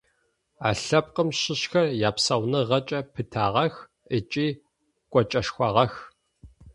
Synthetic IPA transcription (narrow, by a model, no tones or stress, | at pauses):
a̰ːɬɐp̚qəmɕɪɕxɐrjaːpsɐwnɨʁɐt͡ʃʼɐpʰɨtʰaːʁɐx | ət͡ʃʼiː | kʷʼɔt͡ʃʼɐʃxʷɑʁɐx